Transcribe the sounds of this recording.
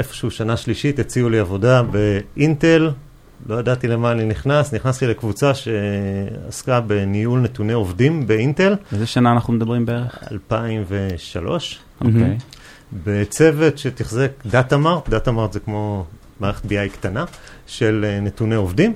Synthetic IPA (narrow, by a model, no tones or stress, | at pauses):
ʔefoʃeuʃanaʃliʃitet͡siuliavo̞dabe̞ʔinte̞l | lo̞jadat̪ile̞maːniniχnasniχnast̪ile̞kvut͡saʃea̰skabe̞nijulne̞tuneovdimbe̞inte̞lvezeʃanaːnaχnumed̪abʁimbeeʁeχa̰lpaimve̞ʃalo̞ʃ | ʔokej | bet͡se̞ve̞tʃe̞tiχzekdatamaʁtdatamaʁt̪zekmo̞ | maːʁeχet̪̚biajkt̪ana | ʃe̞lne̞tuneovdim